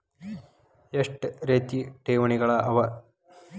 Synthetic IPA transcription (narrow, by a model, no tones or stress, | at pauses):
eʂʈɨɾet̪ːiʈeːʋɐɳiɣɐɭɐʔɐʋɐ